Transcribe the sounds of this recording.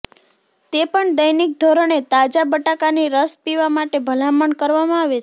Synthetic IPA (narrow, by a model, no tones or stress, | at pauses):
t̪epəɳd̪əjnik̚d̪ʱoɾəɳet̪ad͡ʒabəʈakaniɾəspiʋamaʈebʱəlãməɳkəɾʋamãaʋe